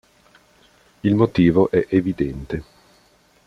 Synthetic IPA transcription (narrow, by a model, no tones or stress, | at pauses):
ilmot̪iːvoʔɛʔevid̪ɛnt̪e